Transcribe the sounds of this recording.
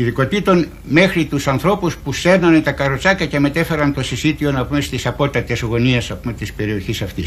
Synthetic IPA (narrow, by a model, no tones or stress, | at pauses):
iðiko̞t̪it̪o̞n | me̞xɾit̪usɐnθɾo̞puspuse̞ɾnɐnt̪ɐkɐɾot͡ʃɐkɐce̞me̞t̪e̞fe̞ɾɐnt̪o̞sisit̪io̞nɐpume̞st̪isɐpo̞t̪ɐt̪e̞zɣo̞niesɐspume̞t̪ispe̞ɾio̞çisɐft̪is